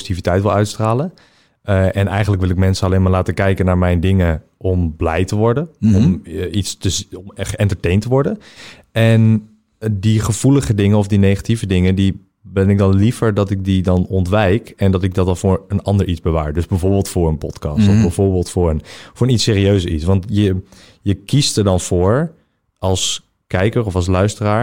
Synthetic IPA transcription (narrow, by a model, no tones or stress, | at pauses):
sitivitɛjtʋɪlˠœɥtstraːlən | ɛnɛjχənləkʋɪlˠɪkmɛnsənɑlejnmaːɹlaːtəkɛjkənaːɹmɛjndɪŋə | ʔɔmblɛ̰jtəʋɔɹdənɔmitstəmχəɛntəɹtejntəʋɔɹdə | ɛn | diχəv̥uləχədɪŋənɔfdinejχativədɪŋəndi | bɛnɪk̚dɑnlivəɹdɑtɪk̚didɑnɔntʋɛjkɛndɑtɪɡ̚dɑtdɑnvʊːɹənɑndəɹʔizbəʋa̰ːɹdøzbɛvʊːɹbɪːlˠtfʊːɹənpɔtkɑ̰ːstɔvbɛvʊːɹbɪːlˠtfʊːɹənfʊːɹənitsɪːɾiøɥsəitsʋɑntjə | jəkistəɹdɑnvʊːɹ | ʔɑlˠs | kɛjkəɹɔfɑlˠs̬lœɥstəraːɹ